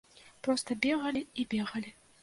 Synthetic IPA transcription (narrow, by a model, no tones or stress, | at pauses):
pɾɔst̪ɐbʲɛɣɐlʲiibʲɛɣɐlʲi